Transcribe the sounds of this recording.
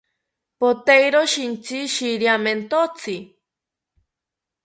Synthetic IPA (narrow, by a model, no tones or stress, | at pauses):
pot̪ejɾoʃint͡siʃiɾjament̪ot͡sʰi